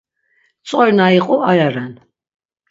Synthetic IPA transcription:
t͡sʼɔɾnaiqʼuʔajaɾɛn

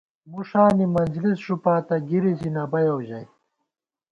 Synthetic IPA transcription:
muʂaːnimɐnzlisʂupaːt̪ɐɡiɾid͡ʑinɐbɐjowʑɐj

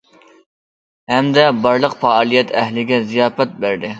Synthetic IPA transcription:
hæmd̪ɛbɑɾlˠəqfɑɑːlˠijɛt̪ʰɛɦlɪɡʲɛzijɑːfɛt̪̚bæɾd̪ɪ

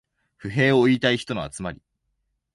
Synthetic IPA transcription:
ɸɯ̟ɦe̞ːoit̪aiçi̥t̪o̞no̞a̰t͡sɨmaɾʲi

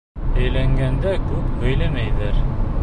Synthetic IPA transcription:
æjlæŋɡænd̪ækʉpbɵ̆jlæmæjðæɾ

